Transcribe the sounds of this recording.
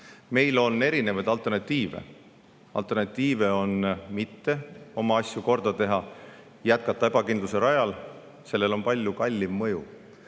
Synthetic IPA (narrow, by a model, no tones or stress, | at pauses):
me̞jlo̞nːe̞ɾine̞vɑd̪ɑlt̪ˑe̞rnɑt̪ʲːˑiːvḛ | ɑ̰lt̪ːˑe̞rnɑt̪ʲːˑiːve̞o̞nmit̪ːe̞o̞mɑɑsjuko̞rd̪ɑt̪e̞ɦɑ | jæt̪̚kɑt̪ˑːɑe̞bɑkind̪luse̞ɾɑjɑl | se̞lːe̞lo̞npɑlʲjukɑlʲːimmɤju